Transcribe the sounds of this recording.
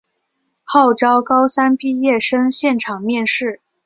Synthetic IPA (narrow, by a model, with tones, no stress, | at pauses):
xɑ˥˩ʊʈ͡ʂɑ˥ʊkɑ˥ʊsa˥npi˥˧jɛ˥˩ʂɤ˥ŋɕjɛ˥˩nʈ͡ʂʰɑ˨˩ŋmjɛ˥˧nʂɻ̩˥˩